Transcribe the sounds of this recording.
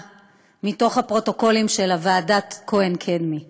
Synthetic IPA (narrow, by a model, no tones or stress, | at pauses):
mito̞χhapʁo̞to̞ko̞limʃe̞lavaːdatkoenkʰedmi